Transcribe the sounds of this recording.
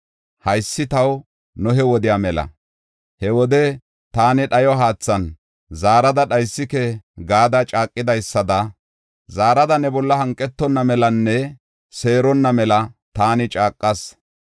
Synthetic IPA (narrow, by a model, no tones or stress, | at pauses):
hɐjsːɪt̪ɐw | nʊɦɛwɔd̪ɪjaːmɛlɐ̰ | hɛwɔd̪ɛ | t̪aːnɪɗɐjɔɦaːt͡sːɐn | zaːɾɐd̪ɐɗɐjsːɪkɛɡaːd̪ɐt͡ʃʼaːkʼːɪd̪ɐjsːɐd̪ɐ | zaːɾɐd̪ɐnɛbɔlːɐhɐŋkʼːɛt̪ːɔnːɐmɛlɐnːɛ | se̞ːɾɔnːɐmɛlɐt̪aːnɪt͡ʃʼaːkʼːɐs